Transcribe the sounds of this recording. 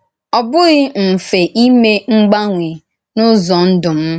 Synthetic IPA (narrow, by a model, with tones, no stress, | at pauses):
ɔ˨bʊ˦ɣɪ˦m̩˨fe˨ʔi˦me˦ŋ͡m̩˦ɡ͡ba˦ŋʷi˨ | nʊ˦zɔ˨n̩˦dʊ˨m̩˦